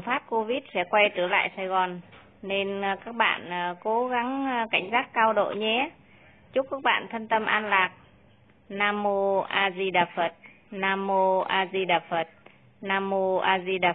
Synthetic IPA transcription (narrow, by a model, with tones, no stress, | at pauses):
ŋfaː˦˥p̚ko˧vi˦˥t̚sɛ̰˧˥kwa˧jt̪ɨ˧˩la̰ː˧˨jsaː˧jɣɔ˨˩n | ne˧nkaː˦˥k̚ɓa̰ː˧˨nː˨˩ko˨˦ɣa˨˦ŋka˧˩jŋ̟zaː˦˥kkːaː˧wɗo̰˧˨ɲɛ˨˦ | t͡ɕʊ˦˥kːa˦˥k̚ɓa̰ː˧˨nt̪ʰə˧nt̪ə˧mʔaː˧nlaː˨˩k̚ | naː˧mo˧ʔaː˧zi˧ɗaː˨˩fə˨˩t̚ | naː˧mo˧ʔaː˧zi˧ɗaː˨˩fə˨˩t̚ | naː˧mo˧ʔaː˧zi˧ɗa˨˩